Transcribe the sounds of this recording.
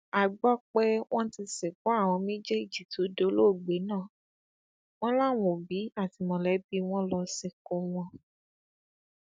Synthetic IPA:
a˨ɡ͡bɔ˦k͡pɛ˦w̃ɔ̃˦ti˧sɛ˨kɔ˨˦a˦˨w̃ɔ̃˧mĩ˦d͡ʒe˦i˦˨d͡ʒi˨tu˨˦do˨˦lo˦˨ɡ͡be˨˦nãː˦˨ | w̃ɔ̃˦la˦˨w̃õ˨bi˨˦a˦˨ti˨mɔ̃˨lɛ˨˦bi˦w̃ɔ̃˦lɔ˧sɛ˨ko˨˦w̃ɔ̃˧

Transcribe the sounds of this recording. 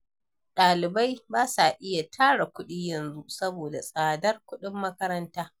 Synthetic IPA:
ɗaː˨lɪ˨ba˦jbaː˦sa˨ʔɪ˦ja˨tʰaː˦ɽa˨kʷʊ˦ɗiː˦jɐ˨nzu˦sɐ˦boː˨da˨sʼaː˨dɐ˦rkʷʊ˦ɗɪ˦mːɐ˦kɐ˦ɾɐ˦ntaː˦

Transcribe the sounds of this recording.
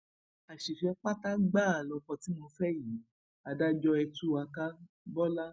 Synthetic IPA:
a˨ʃi˨fɛ˨˧k͡pa˦ta˦ɡ͡ba˦˨a˨lɔ˧kɔ̃˧ti˨˦mɔ̃˧fɛ˦ji˨˦ | a˨da˦d͡ʒɔ˧ɛ˧tu˦a˧ka˦ | bɔ˦la˦

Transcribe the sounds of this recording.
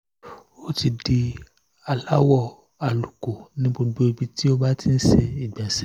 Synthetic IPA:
o˦ti˧di˧ | a˨la˦wɔ˦˨ | a˨lu˨ko˨nĩ˦bo˧do˦e˧bi˧ti˦o˦ba˦ti˦n̩˦ʃe˧i˨ɡ͡bɛ˨sɛ˦

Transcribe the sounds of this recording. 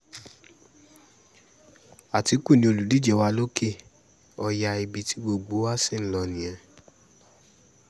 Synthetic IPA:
a˨ti˨˦ku˦˨nĩ˧o˧lu˨di˦d͡ʒɛ˦˧˨wa˧˦lo˦ke˦˨ | ɔ˧ja˧i˧bi˨˧tʰi˨˦ɡ͡bo˧ɡ͡bo˨˦wa˦si˦˨n̩˦lɔ˧nĩ˨ɛ̃˨

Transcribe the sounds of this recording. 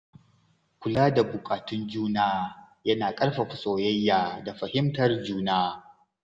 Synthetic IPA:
kʷʊ˨laː˦da˨bʊ˨kʼaː˨tʊ˦nd͡ʒuː˦naː˦ | jɐ˦naː˨kʼɐ˦rɸa˨ɸʊ˨sʼoː˨jɐ˦jːaː˨da˨ɸɐ˨hɪ˦mtɐ˨rd͡ʒuː˦naː˦

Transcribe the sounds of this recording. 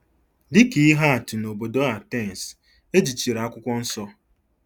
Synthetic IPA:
dɪ˦ki˨˦i˦ɦa˦a˨tu˨no˨bo˨do˦a˨te˦˨n̩˨s | e˦d͡ʒi˨t͡ʃi˨ɾa˨a˦kʷʊ˦kʷɔ˦n̩˦sɔ˦

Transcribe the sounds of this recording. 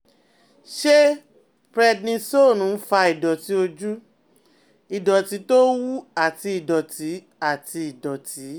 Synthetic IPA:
ʃe˦ | fɾɛ˧dnĩ˧so˦˨nũ˨˦fa˧i˨dɔ˨ti˨˦o˧d͡ʒu˦ | i˨dɔ˨ti˨˦to˦wu˦a˦˨ti˧i˨dɔ˨tʰi˨˦ | a˦˨ti˧i˨dɔ˨ti˨˦

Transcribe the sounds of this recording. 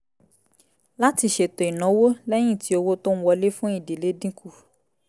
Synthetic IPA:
la˦ti˧ʃe˨tɔ˨i˨nɔ̃˨˦wo˦lɛ˦j̃ĩ˦˨ti˨˦o˧wo˦to˦n̩˦wɔ˧le˦fũ˦i˦˨de˨le˨˦dĩ˦ku˦˨

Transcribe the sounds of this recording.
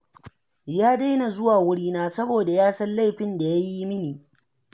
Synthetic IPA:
jaː˦da˦jna˨zʊ˦waː˨wʊ˦ɽiː˦naː˦sɐ˦boː˨da˨jaː˦sɐ˦nla˦jɸɪ˨nda˨ja˦ji˦mɪ˦niː˨

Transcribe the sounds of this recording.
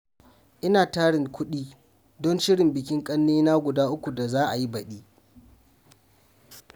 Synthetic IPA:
ʔɪ˦naː˨taː˦ɽɪ˨ŋkʷʊ˦ɗiː˦ | dɔ˦nʃɪ˦ɽɪ˨mbɪ˨kʲɪ˦ŋkʼɐ˦nːiː˦na˦ɡʷʊ˨daː˦ʔʊ˦kʷu˨da˨zaː˦ʔa˨ji˦bɐ˨ɗiː˦

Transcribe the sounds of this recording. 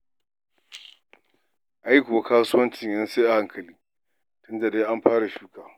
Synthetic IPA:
ʔa˦jkʷʊ˨wa˨kaː˦sʊ˦wɐ˦nt͡ʃɪ˨ɲjɐ˦nseː˦ʔa˨ha˦ŋkʰɐ˨liː˦ | tʊ˦nda˨de˦ʔa˦mɸaː˦ɽa˨ʃuː˦kaː˨

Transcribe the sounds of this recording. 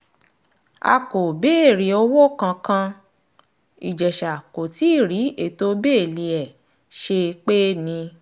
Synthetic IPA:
a̰˧ko˨be˦e˦˨ɾi˨˦o˦wo˦kã˧kã˧ | i˨d͡ʒɛ˨ʃa˨ko˨ti˨˦˨ɾi˨˦e˦˨to˦be˦e˦˨li˧ɛ˨ | ʃe˧k͡pe˦nĩ˧

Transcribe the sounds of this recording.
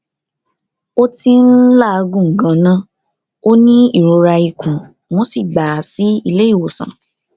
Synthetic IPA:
o˦ti˦n̩˦la˦˨˧ɡũ˦˨ŋ̩˨ɡã˨˦nã˦ | o˦nĩ˦i˦˨ɾo˨˧ɾa˧i˨kʰũ˨ | w̃ɔ̃˦si˦˨ɡ͡ba˨si˨˦i˦˧le˦i˦˨o˨sã̰˨

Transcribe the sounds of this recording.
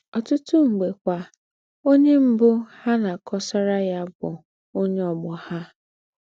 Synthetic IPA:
ɔ˨tʊ˦tʊ˦ŋ͡m̩˨ɡ͡be˨kʷa˨ | o˦ɲe˦m̩˦bʊ˦ha˦na˨kʰɔ˦sa˦ɾa˦ja˦bʊ˨ | o˦ɲe˦ɔ˨ɡ͡bɔ˨ha˦

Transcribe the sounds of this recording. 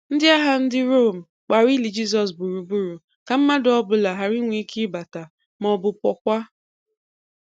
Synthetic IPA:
n̩˦dɪ˦a˦ɦa˦n̩˦dɪ˦ɾo˦˨m̩˨ | k͡pa˨ɾi˦li˨d͡ʒi˦s̬ɔ˨s̬bu˨ɾu˨bu˦ɾu˨ | ka˨m̩˦ma˦dɔ˦bʊ˨la˨ɦa˨ɾi˦ŋʷe˦ki˦ba˨ta˨ | mɔ˨bʊ˨pɔ˨kʷa˦

